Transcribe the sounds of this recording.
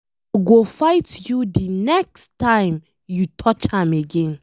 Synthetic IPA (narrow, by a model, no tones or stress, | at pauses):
ɡofaɪtjudinɛkstːãɪ̃m | jutʰɔt͡ʃhãmeɡɛ̃n